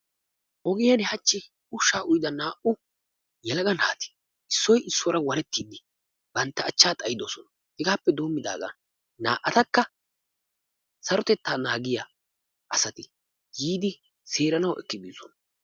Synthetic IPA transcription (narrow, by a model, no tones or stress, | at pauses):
ʔɔɡɪjɐnɛhɐt͡ʃːɪ | ʊʃːaːʔʊjd̪ɐnaːʔʊ | jɛlɐɡɐnaːt̪ɪ̥ | ʔɪsːɔjɪsːɔɾɐwɐɾɛt̪ːiːd̪ɪ | b̥ɐnt̪ːɐːt͡ʃːaːt̪ʼɐjɪd̪oːsɔnɐ | hɪɡaːpːɛd̪o̞ːmːɪd̪a̰ːɡa̰ | na̰ːʔːɐt̪ɐkːɐ | sɐɾɔt̪ɛt̪ːaːnaːɡɪja | ʔɐsɐt̪ɪ | jiːd̪ɪ | seːɾɐnɐwʔɛ̰kːɪb̪iːsɔ̰nɐ